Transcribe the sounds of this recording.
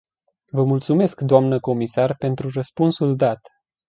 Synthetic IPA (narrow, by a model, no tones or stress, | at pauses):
vəmult̪sume̞skd̪oamnəko̞misarpe̞nt̪ɾurəspunsuld̪at̪